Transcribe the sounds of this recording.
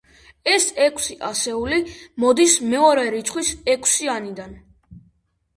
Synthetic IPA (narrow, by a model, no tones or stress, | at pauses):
ɛsɛkʰsiʔasɛulimɔd̪ismɛɔɾɛɾit̪sʼʰχwisɛkʰsianid̪an